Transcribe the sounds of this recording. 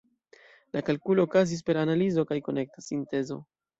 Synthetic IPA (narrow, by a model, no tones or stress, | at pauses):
lʔakalkulo̞ːkazis̬pe̞ɾanalizo̞kajko̞ne̞k̚tasinte̞zo̞̰